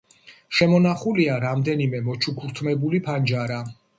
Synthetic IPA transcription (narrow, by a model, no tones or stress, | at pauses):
ʃɛmɔnaχuliaɾamd̪ɛnimɛmɔt͡ʃʰukʰuɾt̪ʰmɛbulipʰand͡ʒaɾa